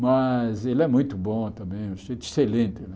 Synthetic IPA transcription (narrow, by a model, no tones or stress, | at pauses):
mɐzelɛmũj̃t̪ʊbõt̪ɐ̃mbẽj̃ũʃet̪e̥selẽnt̪ɪnɛ